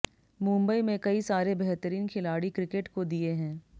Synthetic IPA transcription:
mũːmbəimẽkɐisaːɾebɛɦt̪əɾiːnkʰɪlaːɽikɾɪkeʈkod̪ieɦɛ̃ː

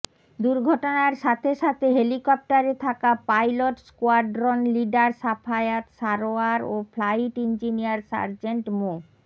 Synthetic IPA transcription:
d̪uɾɡʱɔʈonaɾʃat̪ʰeʃat̪ʰeɦelikɔp̚ʈaɾet̪ʰakapajloʈskoaɖɾonliɖaɾsapʰajat̪ʃaɾoaɾofʰlajʈind͡ʑinijaɾsa̰ɾd͡ʑeɳʈmo

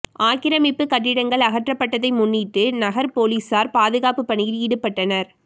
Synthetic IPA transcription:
ʔaːkɪɾɐmɪpːɯkɐʈːɪɽɐŋɡɐɭɐɣɐʈrɐpːɐʈːɐðɐɪmʊnːiːʈːɯnɐɣɐɾpoːliːsaːɾpaːðɯɣaːpɯpːɐɳɪjɪliːɽɯpːɐʈːɐnɐɾ

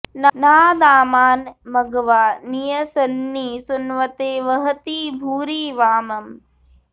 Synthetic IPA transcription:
nɐnaːd̪aːmaːnmɐɡɐʋaːnijɐsɐnːiːsunʋɐt̪eːʋɐɦɐt̪iːbʱuːɾiːʋaːmɐm

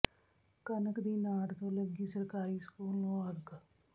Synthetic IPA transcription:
kənəkd̪iːnaːɽt̪oːləɡiːsəɾkaːɾiːskuːloːɐɡ

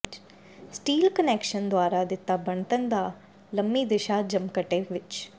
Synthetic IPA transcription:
sʈiːlkəneːkʃənd̪waːɾaːd̪ɪt̪ːaːbəɳt̪ənd̪aː | ləmːiːd̪ɪʃaːd͡ʒəmkəʈeːʋɪt͡ʃ

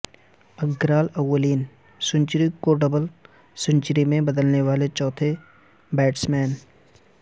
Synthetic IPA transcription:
ɐɡɾaːlɐwːəliːn | sʊ̃ɲt͡ʃɾikoɖəbəl | sʊ̃ɲt͡ʃɾimẽbɐd̪əlneʋaːlet͡ʃɔːt̪ʰe | bɛːʈsmɛːn

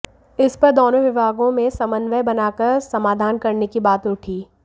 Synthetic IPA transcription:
ɪspɐɾd̪oːnõʋɪbʱaːɡõmẽsɐmənʋəbɐnaːkɐɾsɐmaːd̪ʱaːnkɐɾnekibaːt̪ʊʈʰiː

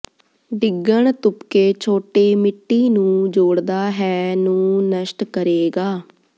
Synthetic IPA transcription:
ɖɪɡːəɳt̪ʊpkeːt͡ʃʰoːʈeːmɪʈːiːnũːd͡ʒoːɽd̪aːɦɛːnũːnəʃʈkəɾeːɡaː

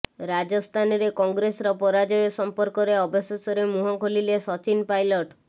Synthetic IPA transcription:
ɾad͡ʒɔst̪ʰanɔɾekɔŋɡɾesɾɔpɔɾad͡ʒɔjɔsɔmpɔɾkɔɾeɔbɔsesɔɾemuɦɔkʰolilesɔt͡ʃinpajlɔʈ

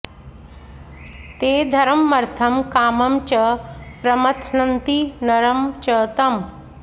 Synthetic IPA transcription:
t̪eːd̪ʱɐɾɐmːɐɾt̪ʰɐmkaːmɐmt͡ɕɐpɾɐmɐt̪ʰnɐnt̪inɐɾɐmt͡ʃɐt̪ɐm

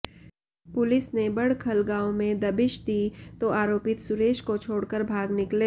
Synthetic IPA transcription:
pʊlɪsnebɐɽ̤kʰɐlɡãːõmẽd̪ɐbɪʃd̪iːt̪oʔaːɾoːpɪt̪sʊɾeːʃkot͡ʃʰoːɽkəɾbʱaːɡnɪkle

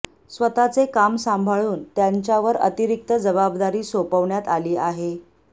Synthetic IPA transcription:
sʋət̪at͡sekamsambʱaɭuːnt̪jaɲt͡ɕjaʋəɾə̰t̪iɾik̚t̪əd͡zəbabd̪aɾiːsopəʋɳjat̪aliːʔaɦe

